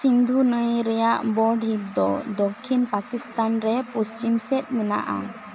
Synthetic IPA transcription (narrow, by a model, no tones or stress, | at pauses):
sind̪ʱunəjɾɛjaʔbɔɖɦip̚d̪ɔd̪ɔkʰːinpakist̪anɾɛpust͡ʃimsɛt̪̚ˀmɛna̰ʔa̰